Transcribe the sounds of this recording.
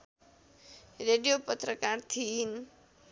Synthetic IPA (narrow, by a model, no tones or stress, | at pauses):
ɾeɖijopət̪ɾəkaɾt̪ʰin